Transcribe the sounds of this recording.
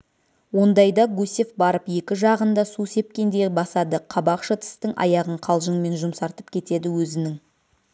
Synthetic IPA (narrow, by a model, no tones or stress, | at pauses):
wo̞nd̪ɑjd̪ɑɡusefbɑɾəpje̞kʲɪʒɑʁənd̪ɑsuse̞p̚kʲe̞nd̪e̞bɑsɑd̪əqʰɑbɑqʃət̪ʰɪ̥st̪ɪŋʔɑ̰jɑʁəɴqʰɑlˠʒəŋme̞nʒʊmsɑɾt̪əpkʲʰe̞t̪e̞d̪ɪwɵzɪnɪŋ